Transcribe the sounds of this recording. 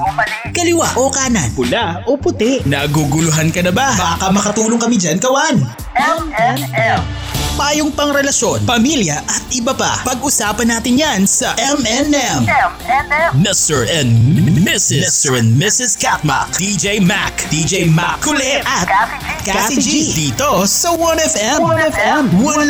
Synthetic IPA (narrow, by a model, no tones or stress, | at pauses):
kɐlɪwaʔokaːnɐnpʊlaʔopʊt̪ɪʔnɐɡuɡʊlʊɦankɐnɐbabaːkɐmɐkɐt̪uːloŋkɐmɪd͡ʒankɐwan | ɛm | paːjoŋpɐŋɾɛlɐʃjo̞npɐmiljɐʔɐt̪̚ʔɪbɐpa̰pɐɡʔʊsaːpɐnːaːt̪ɪnjansɐʔɛmɛnɛm | mɪst̪ɛɹʔɛnmɪsɪmst̪ɛɛnmɪsɪskat̪̚mɐ̰kd̪id͡ʒejma̰kd̪̥id͡ʒejmakkːʊlɛʔɐt̪̚ | kasid͡ʒid̪iːt̪osɐwɐnɛfɛmɛmwɐl